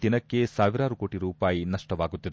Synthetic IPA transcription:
d̪̥inɐkːe̞saːʋiɾaːɾuko̞ːʈiɾuːpaːjinɐʂʈɐʋaːɡut̪ːid̪

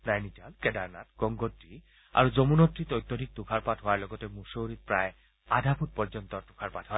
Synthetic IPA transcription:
najnitalkɛdaɹna̰tɡ̥ɔŋɡɔtɹi | a̰ɹuzomunɔtɹit̪ɔjt̪ːodʱik̚tukʰaɹpatɦowaɹlɔɡɔtɛmusoɾit̚pɹaj | adʱapʰut̚pɔɹd͡ʑɔnt̪ɔt̪ukʰaɹpatɦoa

